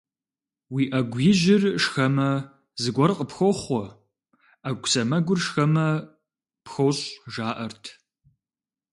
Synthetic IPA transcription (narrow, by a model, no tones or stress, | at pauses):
wiːʔɐɡʷjɪʒɪrʂxɐmɐ | zɨɡʷɔrqʼəpxʷoχʷɔ | aɡʷʊsɐmɐɡʷʊrʂxɐmɐ | pxowɕʼʒaːʔɐrtʰ